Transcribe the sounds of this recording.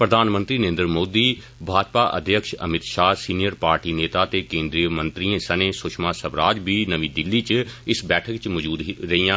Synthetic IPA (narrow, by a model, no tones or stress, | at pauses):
pɾəd̪ʱaːnmə̃nt̪ɾiːnəẽːnd̪ɾmoːd̪iː | bʱaːd͡ʒpaːʔə̰d̪ʱjəkʃə̰mɪt̪ʃaːsiːnijəɾpaːɾʈiːneːt̪aːt̪eːkẽːnd̪ɾiːəmə̃nt̪ɾiẽːsənẽːsʊʃmaːsəbɾaːd͡ʒbiːnəʋiːd̪ɪlːiːt͡ʃɪsbɛːʈʰəkt͡ʃmɔd͡ʒuːd̪ɾəiːãː